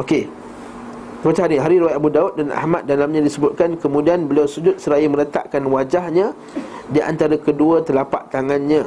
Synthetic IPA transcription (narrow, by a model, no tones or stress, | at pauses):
oke | t̪əmat͡ʃaɦaɾiɦaɾiɾəwat̪ʔabudaut̪̚dana̰hmat̪̚dalamɲãdisəbʊt̪̚kankəmũdianbəliawsud͡ʒʊt̪̚səɾajamə̃ɾət̪a̰ʔkanwad͡ʒahɲã | diʔa̰nt̪aɾakəduət̪əlapa̰ʔt̪aŋanɲã